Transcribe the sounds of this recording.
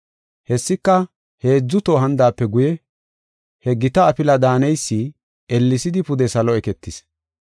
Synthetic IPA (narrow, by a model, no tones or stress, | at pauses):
hɛsːɪkːɐ | he̞ːd͡zːʊt̪oɦɐnd̪aːpːɛɡʊjɛ | hɛɡɪt̪ɐːpɪlɐd̪aːnɛjsːi | ɛlːɪsɪd̪ɪpʊd̪ɛsɐlɔɛkɛt̪ːɪs